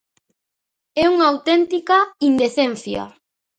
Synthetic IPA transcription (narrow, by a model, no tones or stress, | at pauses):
ɛuŋaːwt̪ɛnt̪ikaind̪eθɛn̟θja̰